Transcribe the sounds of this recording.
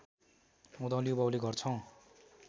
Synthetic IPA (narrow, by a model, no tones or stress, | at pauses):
mud̪ʌ̃lijobʌwleɡʱʌrt͡sʰʌw̃